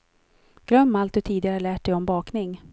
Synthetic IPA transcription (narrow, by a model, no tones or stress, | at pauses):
ɡ̥ɾœmːalt̪d̪ɵt̪ʰiːd̪ɪɡɾhaɭæːʈ̚dɛjɔmbɑːknɪŋ